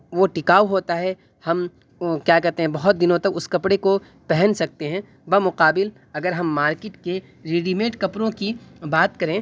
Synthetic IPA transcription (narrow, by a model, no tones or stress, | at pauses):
ʋoʈɪkaːuɦoːt̪aɦɛ | hɐm | kjaːkɛɾt̪ẽɦɛ̃bɐɦʊt̪̚d̪ɪnõt̪ɐkʊskɐpɽeko | pɛɦɛnsɐk̚t̪eɦɛ̃ː | bɐmʊqaːbɪl | ɐɡəɾɦɐmːaːɾkeːʈke | ɾeːɖimeːʈkɐpɾõkibaːt̪kɐɾẽː